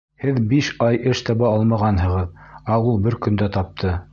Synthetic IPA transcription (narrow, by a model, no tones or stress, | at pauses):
hɘðbiʃɑjʔɘʃt̪ɑβɑɑlˠmɑʁɑnɦɤ̆ʁɤðɑwɤlˠbɘɾkɵ̆nd̪æt̪ɑp̚t̪ʰɤ